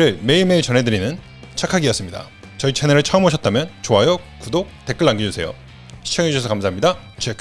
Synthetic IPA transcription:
ɾɯɭme̞iɭme̞iɭt͡ɕʌnɦe̞dɯɾinɯn | t͡ɕʰakʰaɡiʌs͈ɯmɲida̰ | t͡ɕʌit͡ɕʰeneɾɯɭt͡ɕʰʌʌmɦoɕʰʌt͈̚amjʌnt͡ɕoajʌkudok̚te̞k͈ɯɭːaŋɡid͡ʑusʰe̞jo̰ | ɕʰi̥t͡ɕʰʌŋɦed͡ʑuɕʰʌsʰʌkams̬ʰaɦamɲida | t͡ɕek

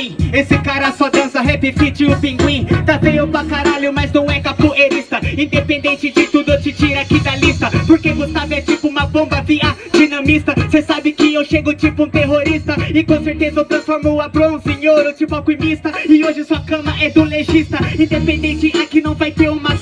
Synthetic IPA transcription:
esɪkaɾɐsɔd̪ɐ̃sɐɦepet͡ʃit͡ʃiʊpĩŋɡwĩt̪avẽjõpakaɾaʎʊmɐznɐ̃w̃ɛkapoeɾist̪ɐĩd̪epẽnd̪ẽnt͡ʃɪd͡ʒɪt̪ud̪ʊewt͡ʃɪt͡ʃiɾakid̪ɐlist̪ɐpoɾkevosavɪɛt͡ʃipʊũmɐbõmbɐviɐ | d͡ʒinɐ̃mist̪ɐsesabɪkɪewʃeɡʊt͡ʃipʊũt̪eɦoɾist̪ɐɪkõseɾt̪ezɐewt̪ɾɐ̃sfoɾmoapɾoũsẽɲoɾot͡ʃipʊakwimist̪ɐɪoʒɪsuɐkɐ̃mɐɛd̪ʊleʒist̪ɐĩd̪epẽnd̪ẽnt͡ʃɪʔakinɐ̃w̃vajt̪eɾũmɐ

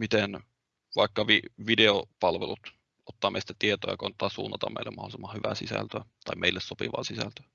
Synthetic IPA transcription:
mit̪en | ʋɑikːɑʋiʋideopɑlʋelut̪ | ʔot̪ːɑːmḛsi̥t̪æt̪iet̪o̰ːjɑ̰kont̪ːˑɑːsṵːnːɑt̪ɑ̰mḛˑilːæmɑholisemːɑhyʋæsisæ̰lt̪øːt̪ɑimeilːesopḭʋɑ̰ːsisælt̪ø̥æ

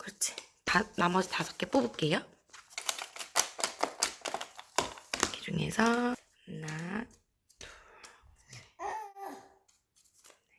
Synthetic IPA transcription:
kɯɾʌt͡ɕʰi̥tanamʌd͡ʑitasʰʌk͈ep͈obup̚k͈e̞jo | ked͡ʑuŋe̞̰sʰʌ | na | i̥ | e

